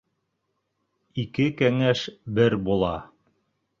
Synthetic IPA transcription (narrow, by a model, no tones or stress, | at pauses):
ikɘkæŋæʃbɘɾbulˠɑ̰